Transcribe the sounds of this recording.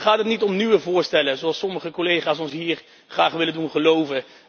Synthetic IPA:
χaːtətnitɔmnyʋəvʊːɹstɛləzoɑlˠsɔməχəkolejχaːsɔnsɦiːɹ | χraːχʋɪləndunχəlowvə

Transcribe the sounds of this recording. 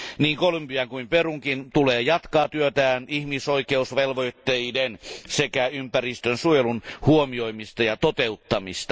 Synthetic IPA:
niːŋkolempiæŋkuimperuŋkint̪uleːjɑt̪kɑːt̪yøt̪æːnihmisoikeusʋelʋoit̪ːeidensekæympærist̪ønsuojelunhuomioimist̪ɑjɑt̪ot̪eut̪ːɑmist̪ɑ̥

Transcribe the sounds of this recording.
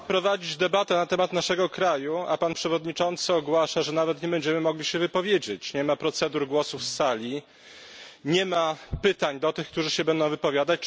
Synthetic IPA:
pɾɔvad͡ʑid͡ʑd̪ɛbat̪ɛnat̪ɛmat̪naʂɛɡɔkɾajua̰panpʂɛvɔd̪ɲit͡ʂɔnt̪sɘɔɡwaʂaʐɛnavɛt̪ɲɛbɛɲd͡ʑɛmɘmɔɡlʲiɕɛvɘpɔvʲjed͡ʑet͡ɕɲɛmapɾɔt̪sɛd̪uɾɡwɔsufsalʲi | ɲɛmapɘt̪aɲd̪ɔt̪ɘxkt̪uʐɘɕɛbɛnd̪ɔ̃w̃vɘpɔvʲjad̪at͡ɕ

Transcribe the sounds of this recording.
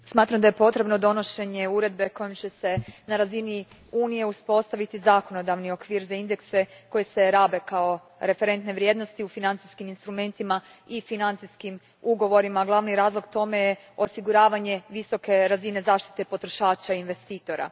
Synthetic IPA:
smaːt̪ɾamd̪aje̞po̞t̪ɾe̞bno̞d̪o̞noʃe̞ɲe̞uɾe̞d̪̚be̞ko̞jemt͡ɕe̞se̞naɾazini | uːnije̞uspo̞st̪aʋit̪izako̞no̞d̪aʋnio̞kʋiːɾzaind̪e̞kse̞ko̞jese̞ɾaːbe̞kao̞ | ɾe̞fe̞ɾe̞nt̪ne̞ʋɾje̞d̪no̞st̪iufinant̪iskiminst̪ɾume̞nt̪ima | ifinant̪siskim | uɡo̞ʋo̞ɾimaːɡlˠaʋniɾaːzlˠo̞ɡt̪o̞me̞je | o̞siɡuɾaːʋaɲe̞ʋiso̞ke̞ɾazine̞zaːʃt̪i̥t̪e̞po̞t̪ɾo̞ʃaːt͡ʃainʋe̞st̪iːt̪o̞ɾa̰

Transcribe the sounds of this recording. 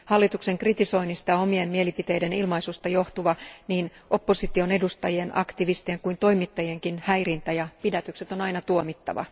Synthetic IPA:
hɑlːit̪ukse̞ŋkrit̪iso̞inːist̪ɑo̞mie̞mmie̞lipit̪e̞jde̞nilmɑisust̪ɑjo̞ht̪uʋɑniːnʔo̞pːo̞sit̪io̞ne̞dust̪ɑjie̞nɑ̰kt̪iʋist̪ieeŋkuint̪o̞imit̪ːɑjie̞ŋkinhæjrint̪æjɑpidæt̪ykset̪o̞nɑinɑt̪uomit̪ːɑ̰ʋɑ̰

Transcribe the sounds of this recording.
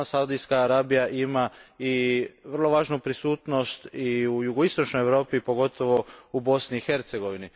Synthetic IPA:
saud̪ijskaːɾabijaʔimaiʋr̩lˠo̞ʋaːʒnupɾisuːt̪no̞st̪iujuɡoist̪o̞t͡ʃnojeʋɾo̞ːpipo̞ɡo̞t̪ʰoʋo̞ubo̞sniːxe̞ɾt̪se̞ɡo̞ʋini

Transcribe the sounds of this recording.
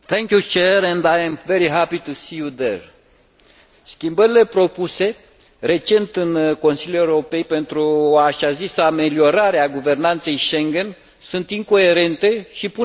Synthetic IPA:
t̪ʰɛ̃ŋkjut͡ʃeɾɛ̃nd̪ajɛmveɾiɦapit̪usijud̪ḛɾ | skʲimbəɾile̞pɾo̞puse̞ | re̞t͡ʃe̞nt̪ɨnko̞nsiljue̞uɾopejpe̞nt̪ɾuoaʃazisəame̞lio̞ɾaɾeaɡuve̞rnant̪se̞jʃeŋɡen | sunt̪iŋko̞e̞ɾe̞nt̪e̞ʃipu

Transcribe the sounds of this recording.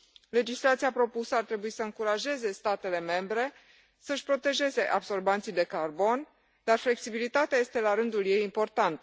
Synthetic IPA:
le̞d͡ʒislat̪siapɾo̞pusəart̪ɾe̞buisəɨŋkuɾaʒe̞ze̞st̪at̪e̞le̞me̞mbɾe̞ | səɨʃpɾo̞t̪e̞ʒe̞ze̞ʔabso̞rbant̪sijd̪e̞karbo̞n | d̪arfle̞ksibilit̪at̪eaje̞st̪e̞laɾɨnd̪ulje̞jimpo̞rt̪ant̪ə

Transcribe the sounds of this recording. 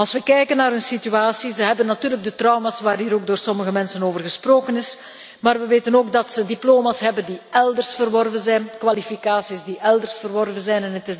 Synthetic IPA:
ɑlˠsʋəkɛjkənːaːɾɦɵnsityaːsizəɦɛbənːatyːrləɡ̚dətrɑwmasʋaːrɦiːɾoːɡ̚doːrsɔməɣəmɛnsənoːvərɣəsproːkənɪs | maːrʋəʋeːtənoːɡdɑtsədiploːmasɦɛbəndiɛlˠdərsfərʋɔrvənzɛjnkʋalifikaːsisdiʔɛlˠdərsfərʋɔrvənzɛjnɛnətɪ

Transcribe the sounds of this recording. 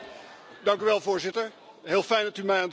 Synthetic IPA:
dɑŋkyʋɛlˠvʊːɹzɪtəɹ | ɦɪːlˠfɛjndɑtymɛjaːn

